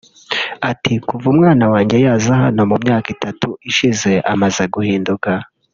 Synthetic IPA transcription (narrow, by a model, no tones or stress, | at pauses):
atikuvumŋaːnawaːɲɟe̞jaːzaɦano̞mumɲaːkitatuiʃize̞ʔamazeɡuhiːnduka